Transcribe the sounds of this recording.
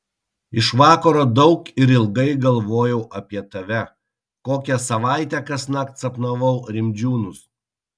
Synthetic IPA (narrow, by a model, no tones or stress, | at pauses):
ɪʃʋɑːkɐɾoːd̪ɒʊkɪɾɪlˠɡɐɪɡɐlˠʋoːjɛʊʔɐpʲiɛt̪ɐʋʲɛ | koːkʲɛsɐʋɑˑɪt̪ʲɛkɐsnɑkt̪sɐpnɐʋɔʊɾʲɪmʲd͡ʒʲuːnʊs